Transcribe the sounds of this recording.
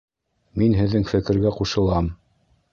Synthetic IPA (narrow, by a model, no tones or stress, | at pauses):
minɦɘ̆ðːɘŋfɘ̆kɘ̆ɾɡæquʃɤ̆lˠɑm